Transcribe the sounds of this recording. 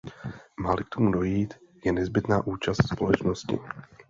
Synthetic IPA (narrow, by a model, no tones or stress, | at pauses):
maːlɪkt̪o̞mudo̞jiːt̪ | jɛnɛzbɪt̪naːʔuːt͡ʃast̪spo̞lɛt͡ʃnoscɪ̰